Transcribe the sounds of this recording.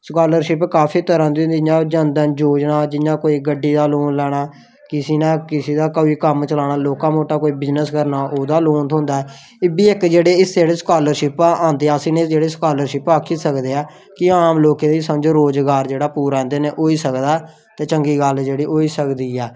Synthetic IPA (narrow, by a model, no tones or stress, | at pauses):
skaːləɾʃɪpkaːpʰiːt̪əɾãːnd̪iːɦʊnd̪iɪjãːd͡ʒənd̪ənd͡ʒoːd͡ʒnaːd͡ʒɪnãːkoːiːɡəɖːiːd̪aːloːnlɛːɽ̃aː | kɪsiːnãːkɪsiːd̪aːkəbiːkəmt͡ʃəlaːɽ̃aːloːkãːmoːʈaːkoːiːbɪznəskəɾnaːʔoːd̪aːloːnt̪ɦʊ̃nd̪aːɛː | ɪbiːɪkd͡ʒeːɽeːɪseːɽeːskaːləɾʃɪpãːnd̪eːaːsĩːnẽːd͡ʒeːɽeːskaːləɾʃɪpaːkʰːiːsəkd̪eːaː | kɪaːmloːkẽːd̪iːsəmd͡ʒoːɾoːd͡ʒɡaːɾd͡ʒeːɽaːpuːɾãːnd̪eːneːʔoːiːsəkd̪aː | t̪eːt͡ʃəŋɡiːɡəld͡ʒeːɽiːʔoːiːsəkd̪iːɛː